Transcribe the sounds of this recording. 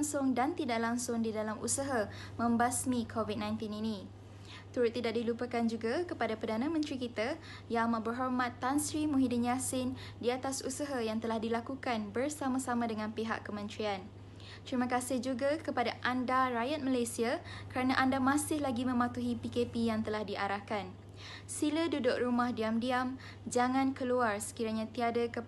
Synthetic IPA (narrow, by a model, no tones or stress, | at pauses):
ŋsʊŋdant̪idaʔlaŋsʊŋdidalamʔṵsaɦamə̃mbasmĩkʰovid̪̚nãj̃nt̪ininĩ | t̪uɾʊt̪ːidaʔ̚dilupəkand͡ʒuɡakəpadapərdanãmə̃nt̪ɾikit̪a | jamãbərɦɔrmat̪ːansɾimũɦidənjasɪn | diat̪asusaɦajaŋt̪əlahdilakukanbərsamãsamãdəŋãnpiɦa̰kːəmə̃nt̪ɾian | k̪ɾimə̃kasɪhd͡ʒuɡakəpadaʔandaɾajat̪̚malajsiakəɾanãʔandamasɪhlaɡimə̃mat̪uɦipikepijaŋt̪əlahdiʔaɾahkan | silədudʊk̚rumahdiamdiam | d͡ʒaŋãnkəluarsə̥kiɾaɲãt̪iadəkə